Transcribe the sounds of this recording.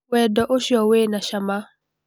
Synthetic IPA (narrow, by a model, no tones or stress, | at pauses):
wɛdɔʔoʃjɔwenaʃama